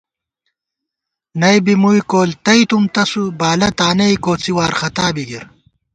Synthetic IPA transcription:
nɐjbimujkoːlt̪ɐjt̪umt̪ɐsubaːlɐt̪aːnɐjkoːt͡siwaːɾxɐt̪aːbiɡiɾ

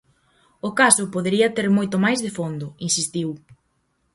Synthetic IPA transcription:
ʊkasʊpoðeɾiɐt̪eɾmojt̪ʊmajzðɪfond̪ʊinsist̪iw

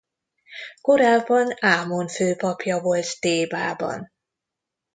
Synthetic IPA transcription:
ko̞ɾaːbːɒnaːmonføːpɒpjɒvo̞lt̪t̪eːbaːbɒ̰n

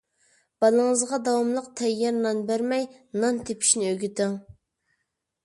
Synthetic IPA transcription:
b̥ɑlˠəŋəzʁɑd̪ɑwɑmlˠəqt̪ʰɛjːɑɾnɑnbæɾmɛjnɑnt̪ʰepʰi̥ʃnɪøɡʲit̪ɪŋ

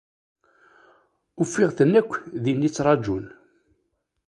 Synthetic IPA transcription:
ʊfːɪʁθənːækʷːðinːit͡sːɾˤɑd͡ʒul

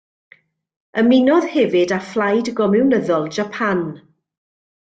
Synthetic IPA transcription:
əmɪnɔð̥hɛvɨdaflˠajdɡɔmɪwnəðɔlˠd͡ʒapʰan

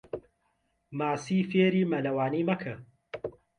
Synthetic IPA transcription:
maːsiːfeːɾiːmɐlɐwaːniːmɐkʰɨ

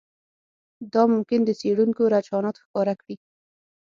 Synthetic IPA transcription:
d̪ɑmʊmkɪnd̪əseɽuŋkoɾat͡ʃɑnɑt̪xkɑɾakɽi

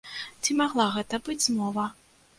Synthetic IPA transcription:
t͡sʲimaɣlˠaɣɛt̪ɐbɨd͡zʲzmɔvɐ

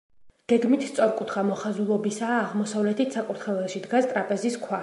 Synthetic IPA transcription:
ɡ̥ɛɡmit̪ʰst̪sʼɔɾkʼut̪ʰχamɔχazulˠɔbisaːʁmɔsavlɛt̪ʰit̪ʰsakʼuɾt̪ʰχɛvɛlˠʃid̪ɡast̪ʼɾapʼɛziskʰwa

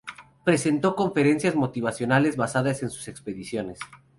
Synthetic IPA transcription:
pɾe̞se̞nt̪o̞ko̞ɱfe̞ɾe̞nsjazmo̞t̪iβasjo̞nale̞zβasaðase̞nsu̥se̞kspe̞ðisjo̞ne̞s

